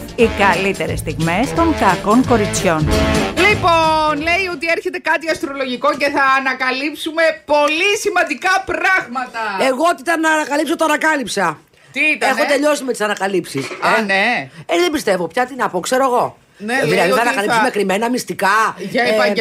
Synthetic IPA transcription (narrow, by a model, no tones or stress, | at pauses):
ikɐlit̪e̞ɾḛst̪iɣme̞st̪o̞ŋkɐkoŋko̞ɾit͡sço̞nliponle̞iot̪ieɾçet̪e̞kɐt̪iɐst̪ɾo̞lo̞ʝiko̞ce̞θɐːnɐkɐlipsume̞po̞lisimɐnd̪ikɐpɾɐɣmɐt̪ɐe̞ɣot̪iit̪ɐnːɐnɐkɐlipso̞t̪oɐnɐkɐlipsɐ | t̪it̪ɐe̞xot̪e̞ʎo̞simet̪isɐnɐkɐlipsisɐneeðe̞mbist̪e̞vo̞pçɐt̪inɐpo̞kse̞ɾo̞eɣo̞ | neðilɐðiθɐnɐkɐlismekɾime̞nɐmist̪ikɐʝɐɐ